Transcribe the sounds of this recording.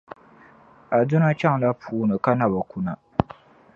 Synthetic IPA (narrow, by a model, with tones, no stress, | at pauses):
a˨dʊ˦na˦t͡ʃa˦ŋla˦pʰuː˦nɨ˨ka˦na˦ba˨ku˦na˨